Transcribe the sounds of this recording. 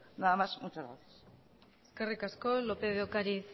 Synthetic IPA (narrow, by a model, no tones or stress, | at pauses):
naðamasmut͡ʃazɣɾaθjas | eskarikaskolopeβeokaɾiθ